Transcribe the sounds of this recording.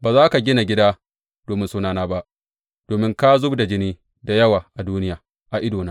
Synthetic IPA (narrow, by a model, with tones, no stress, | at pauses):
baː˨zaː˦ka˨ɡʲɪ˦na˨ɡʲɪ˦daː˦ | d̥oː˨mɪ˦nsʊ˦naː˨naː˦ba˦ʔ | d̥oː˨mɪ˦ŋka˦zʊ˦bda˨d͡ʒɪ˦niː˦ | da˨jɐ˦waː˨ʔa˨duː˦nɪ˦jaː˨ | ʔa˨ʔɪ˦doː˨naː˦